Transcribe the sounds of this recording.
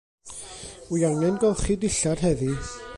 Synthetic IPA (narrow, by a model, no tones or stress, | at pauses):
wiaŋɛnɡɔlˠχidɪɬarɦɛði